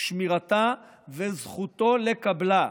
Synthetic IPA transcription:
ʃmiʁat̪a | vezχut̪o̞lekabla

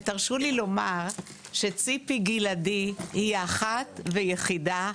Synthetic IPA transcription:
taʁʃulilo̞maʁ | ʃet͡sipiɡiladihiaχat̪vejeχida

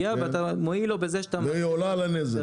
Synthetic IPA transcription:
aveat̪amoilo̞bezeʃat̪amejolalaneze

